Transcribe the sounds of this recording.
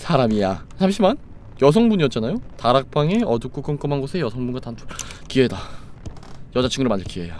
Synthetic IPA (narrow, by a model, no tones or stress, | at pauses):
sʰaɾamijasʰamɕʰiman | jʌs̬ʰʌŋbuɲiʌt̚t͡ɕ͈anajotaɾak̚p͈aŋe̞ʌduk͈uk͈ʌnk͈ʌmanɡosʰe̞jʌsʰʌŋbunɡwatantʰukieda | jʌd͡ʑat͡ɕʰɯŋɡɯɾɯɭmaɲd͡ʑakieja